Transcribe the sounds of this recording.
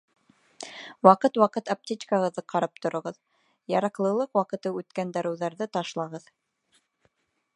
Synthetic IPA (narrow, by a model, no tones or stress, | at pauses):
wɑqɤt̪wɑqɤt̪ɐp̚tʲit͡ʃkaʁɤ̆ðːɤqʰɑɾɑp̚t̪ŏɾŏʁɤð | jɑɾɑqlˠɤ̆lˠɤqwɑqɤ̆t̪ɤʉt̪kænd̪ɑɾɘ̆wðɑɾðɤt̪ɑʃlˠɑʁɤð